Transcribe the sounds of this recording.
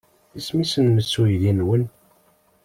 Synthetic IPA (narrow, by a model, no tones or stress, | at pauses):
ismisənməsːujðinwən